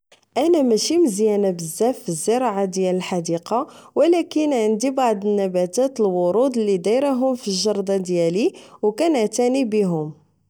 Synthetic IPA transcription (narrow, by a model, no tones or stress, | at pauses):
ʔænæmæʃiməzjænæbəzːæfːizːəɾˤɑʕad̪jæləlħad̪iqɑ | wəlækənʕənd̪ibɑʕd̪ˤənːæbæt̪æt̪əlwʊɾud̪əlːid̪iɾaɦʊmfiʒɑɾˤd̪ˤɑd̪jæliwkænəʕt̪ænibəɦʊm